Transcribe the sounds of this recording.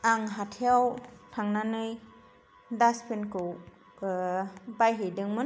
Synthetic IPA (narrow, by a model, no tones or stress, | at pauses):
aŋɦatʰeawtʰaŋnanɯj | daspʰenkɯw | bajɦedɯŋmɯn